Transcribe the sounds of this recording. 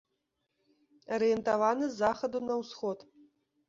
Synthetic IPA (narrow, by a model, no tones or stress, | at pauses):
ɐɾɨjɛnt̪avanɨzːaxɐd̪unɐwsxɔt̪